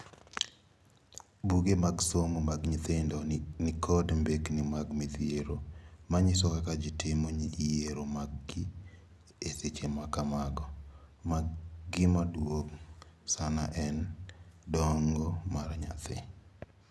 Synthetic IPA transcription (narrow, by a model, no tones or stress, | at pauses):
buɡemaɡsomomaɡɲit̪endɔnɪkʰɔdmbeknɪmaɡmɪt̪jeɾomaɲɪsɔkakad͡ʒɪtɪmoɲiijeɾomaɡɪ | eset͡ʃemakamaɡɔmaɡɡɪmadwoksana̰ʔɛndɔŋɡɔmaɾɲa̰t̪ɪ̰